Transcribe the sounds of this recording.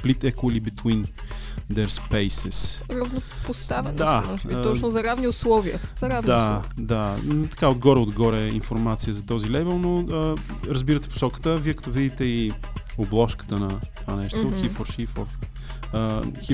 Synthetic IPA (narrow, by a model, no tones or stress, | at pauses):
plit̪ɛkoəlibit̪wind̪ɛɾspɛjsɛsɾɐvno | post̪avɛnd̪amɔʒiɔt͡ʃnʊzɐɾavniʊslˠɔviə̰zɐɾavnd̪ad̪at̪ɐ̥kaod̪ɡɔɾɛod̪ɡɔɾɛinfoɾmat̪sijəzɐt̪ɔzilɛvɛlˠnoəɾɐzbiɾət̪ɛ̥po̥sɔkə̥t̪əviɛkɐ̥t̪ɔvid̪it̪ɛi | oblˠɔʃkə̥t̪ənɐt̪ovanɛʃt̪oxifoɾʃifo̰f | əxi